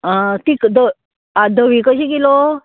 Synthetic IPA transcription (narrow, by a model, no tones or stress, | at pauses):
at̪ikd̪ə | ad̪əʋikəɕikilo